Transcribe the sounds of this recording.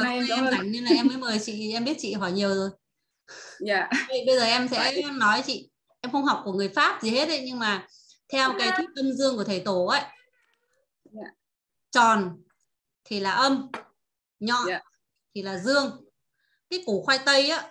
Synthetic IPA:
a˨˩ʔɛ˧ma˨˩jŋ̟ɲɨ˧nlaː˨˩ʔɛ˧mːəː˨˦jməː˨˩jt͡ɕḭ˧˨ʔɛ˧mɓi˦˥ət̚t͡ɕḭ˧˨ɦɔ˧˩jɲi˨˩əwzo˨˩j | və˧˨ɓə˧jzəː˨˩ʔɛ˧msɛ̰˧˥˧nɔ˨˦jt͡ɕḭ˧˨ | ʔɛ˧mxə˧wŋ͡mɦa˨˩wk͡p̚ku˧˩əŋɨ˨˩əjfaː˦˥p̚zi˨˩he˦˥t̚ʔə˨˦jɲɨ˧ŋmaː˨˩ | t̪ʰɛ˧wkaː˨˦jt̪ʰi˦˥k̚ːə˧mzɨ˧əŋku˧˩ət̪ʰjt̪o˧˩ʔə˨˦j | t͡ɕɔ˨˩n | t̪ʰi˨˩laː˨˩ʔə˧m | ɲɔ˧ | t̪ʰi˨˩laː˨˩zɨ˧əŋ | kaː˨˦ku˧˩xwa˧jt̪ə˧jʔaː˨˦

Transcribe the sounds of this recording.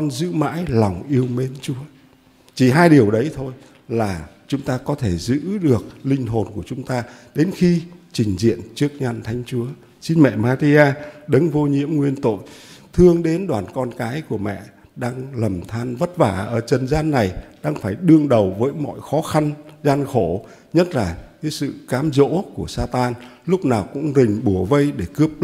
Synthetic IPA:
kɔ˧nzɨ̰˧˥ma̰ː˧˥jlɔ˨˩wŋ͡mʔi˧əwme˧nt͡ɕu˨˦ə | t͡ɕi˨˩ɦaː˧jɗi˨˩əwɗə˨˦jt̪ʰo˧j | laː˨˩t͡ɕʊ˨˦ŋ͡mt̪aː˧kɔ˨˦t̪ʰe˧˩zɨ̰˧˥ɗɨ˨˩ək̚lï˧ŋ̟ɦo˨˩nku˧˩ət͡ɕʊ˨˦ŋ͡mt̪aː˧ɗe˨˦nxi˧t͡ɕï˨˩ŋ̟zḭ˧˨ənt͡ɕɨ˦˥ək̚ɲa˧nt̪ʰa˨˦jŋ̟t͡ɕu˨˦ə | si˧nmɛ̰˧˨maː˧ɾi˧ʔaː˧ɗɨ˨˦ŋvo˧ɲḭ˧˥əmŋwi˧ənt̪o̰˧˨jt̪ʰɨ˧əŋɗe˨˦nɗwaː˨˩nkɔ˧nkaː˨˦jku˧˩əmɛ̰˧˨ | ɗaː˧ŋlə˨˩mt̪ʰaː˧nvə˦˥t̚vaː˧˩ʔəː˧˩t͡ɕə˨˩nzaː˧nːa˨˩jɗaː˧ŋfaː˧˩jɗɨ˧əŋɗə˨˩wvəː˨˦jmɔ̰˧˨jxɔ˨˦xa˧nzaː˧nxo˧˩ | ɲə˦˥t̚laː˨˩kaː˨˦jsɨ̰˧˨kaː˨˦mzo̰˧˥ku˧˩əsaː˧t̪aː˧nlʊ˦˥k͡p̚naː˨˩wkʊ̰˧˥ŋ͡mzï˨˩ŋ̟ɓu˧˩əvə˧jɗe˧˩kɨ˦˥əp̚

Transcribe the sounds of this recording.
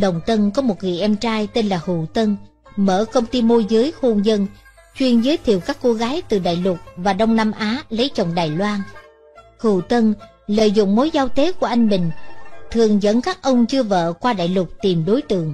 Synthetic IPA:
ɗə˨˩wŋ͡mt̪ə˧nkɔ˨˦mo˨˩t̚ŋḭ˨˩ʔɛ˧mt͡ɕaː˧jt̪e˧nlaː˨˩hṵ˧˨t̪ə˧n | məː˧˩kə˧wŋ͡mt̪i˧mo˧zɨ˨˦jxo˧nzə˧n | t͡ɕwi˧ənzəː˨˦jt̪ʰḭ˧˨əwkaː˦˥kːo˧ɣaː˨˦jt̪ɨ˨˩ɗa̰ː˧˨jlʊ˨˩t̚vaː˨˩ɗə˧wŋ͡mna˧mʔaː˨˦lə˨˦jt͡ɕə˨˩wŋ͡mɗaː˨˩jlwaː˧n | hṵ˧˩˨t̪ə˧n | lə̰ː˧˨jzʊ̰˧˨ŋ͡mmo˨˦jzaː˧wt̪e˨˦ku˧˩əʔa˧jŋ̟mï˨˩ŋ̟t̪ʰɨ˨˩əŋzə̰˧˥nkaː˦˥k̚ʔə˧wŋ͡mt͡ɕɨ˧əvə̰ː˧˨kwaː˧ɗa̰ː˧˨jlʊə˨˩k͡p̚t̪i˨˩mɗo˨˦jt̪ɨ̰˨˩˨əŋ

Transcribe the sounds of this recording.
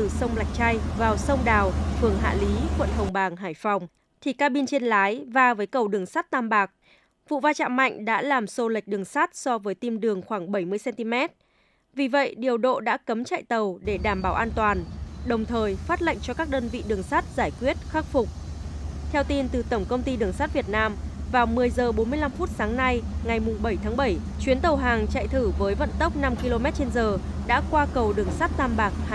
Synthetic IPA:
t̪ɨ˨˩sə˧wŋ͡mla˨˩jk̚t͡ɕa˧jvaː˨˩wsə˧wŋ͡mɗaː˨˩wfɨ˨˩əŋɦa̰ː˧˨li˨˦kwə̰˧˨nɦə˨˩wŋ͡mɓaː˨˩ŋɦaː˧˩jfa˨˩wŋ͡m | t̪ʰi˨˩kaː˧ɓi˧nt͡ɕe˧nlaː˨˦jvaː˧vəː˨˦jkə˨˩wɗɨ˨˩əŋsa˦˥t̚t̪aː˧mɓaː˨˩k̚ | vṵ˧˨vaː˧t͡ɕa̰ː˧˨ma̰˧˨jŋ̟ɗa̰ː˧˥laː˨˩mso˧lə˨˩k̚ɗɨ˨˩əŋsa˦˥t̚sɔ˧vəː˨˦jt̪i˧mɗɨ˨˩əŋxwaː˧˩ŋɓə˧˩jmɨ˧əjsɛ˧nt̪i˧mɛ˦˥t̚ | vi˨˩və̰˧˨jɗi˨˩əwɗo̰˧˨ɗa̰ː˧˥kə˨˦mt͡ɕa̰ː˧˨jt̪ə˨˩wɗe˧˩ɗaː˧˩mɓaː˨˧˩wʔaː˧nt̪waː˨˩nɗə˨˩wŋ͡mt̪ʰəː˨˩jfaː˦˥t̚la̰˧˨ŋt͡ɕɔ˧kaː˦˥k̚ɗəː˧nvḭ˧˨ɗɨ˨˩əŋsaː˦˥t̚z̥aː˧˩jkwi˦˥ət̚xaː˦˥k̚fʊ˨˩k͡p̚t̪ʰɛ˧wt̪i˧nt̪ɨ˨˩t̪ə˧˩ŋ͡mkə˧wŋ͡mt̪i˧ɗɨ˨˩əŋsaː˦˥t̚vi˨˩ət̚naː˧mvaː˨˩wmɨ˨˩əjzəː˨˩ɓo˨˦nmɨ˧əjla˧mfu˦˥t̚saː˨˦ŋna˧jŋa˨˩jmʊ˨˩ŋ͡mɓə˧˩jt̪ʰaː˨˦ŋɓə˧˩j | t͡ɕwi˨˦ənt̪ə˨˩wɦaː˨˩ŋt͡ɕa̰ː˧˨jt̪ʰɨ˧˩vəː˨˦jvə̰˧˨nt̪ə˦˥wk͡p̚na˧mki˧lo˧mɛ˦˥t̚t͡ɕe˧nzəː˨˩ | ɗa̰ː˧˥kwaː˧kə˨˩wɗɨ˨˩əŋsaː˦˥t̚t̪aː˧mɓaː˨˩k̚h

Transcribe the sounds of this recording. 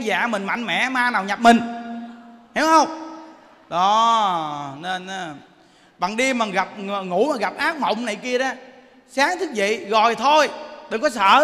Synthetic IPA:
za̰ː˧˨mï˨˩ŋ̟ma̰˧˨jŋ̟mɛ̰˧˨maː˧naː˨˩wɲa˨˩p̚mï˨˩ŋ̟ | he˨˦whə˧wŋ͡m | ɗɔ˨˦ | n˧n˨˦ | ɓa̰ː˧˨ŋɗi˧maː˨˩ɣa˨˩p̚ŋu˧˩˥maː˨˩ɣa˨˩p̚ʔaː˦˥k̚mə̰˧˨wŋ͡mna˨˩jki˧əzaː˧ | saː˨˦ŋt̪ʰɨ˦˥k̚vḭ˧˨ɣɔ˨˩jt̪ʰo˧jt̪ə˨˩ŋkɔ˨˦sə̰ː˧˨˥

